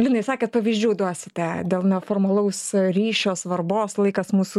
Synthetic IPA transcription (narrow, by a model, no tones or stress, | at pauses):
lʲɪnɐɪsɑːkʲɛːt̪̚pɐʋʲiːzʲd͡ʒʲuːd̪uɔsʲɪt̪ʲɛd̪ʲeːlˠnʲɛfoːrmɐlˠɐʊsɾʲiːʃʲoːsʋɐrboːslˠɐɪkɐsmuːsu